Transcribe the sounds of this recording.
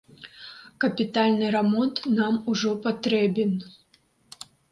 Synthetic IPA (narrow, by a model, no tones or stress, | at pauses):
kɐpʲit̪alʲnɨɾamɔnt̪namuʐɔpat̪ɾɛbʲɛn